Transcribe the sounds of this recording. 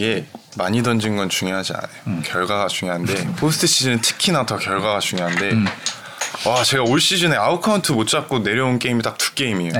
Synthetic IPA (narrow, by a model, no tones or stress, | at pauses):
iɡe̞maɲidʌnd͡ʑinɡʌnt͡ɕuŋjoɦad͡ʑia̰najokjʌɭɡwaɡat͡ɕuŋjoɦande̞pʰosʰɯ̥tʰɯɕ͈id͡ʑinɯntʰɯ̥kʰinatʰʌkjʌɭɡwaɡat͡ɕuŋjoɦande̞ | wat͡ɕe̞ɡaoɭɕ͈id͡ʑineaukʰauntʰɯmot̚t͡ɕ͈ap̚k͈one̞ɾjʌunk͈e̞imit͈ak̚tu̥k͈e̞imio